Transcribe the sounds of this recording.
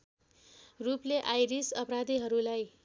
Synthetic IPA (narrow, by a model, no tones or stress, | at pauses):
rupleʔajɾisʌpɾad̪iɦʌɾulaj